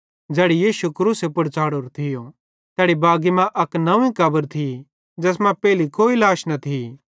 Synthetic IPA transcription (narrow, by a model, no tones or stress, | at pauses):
d͡ʒɛːɽijiːʃukɾuːsepʊɽt͡saːɽoɾt̪ʰɪjõ | t̪ɛːɽibaːɡimɛ̃ʔɐknɐʋĩkɐbəɾt̪ʰi | d͡ʒɛːsmɛ̃pɛːlikoːilaːʃnɐt̪ʰi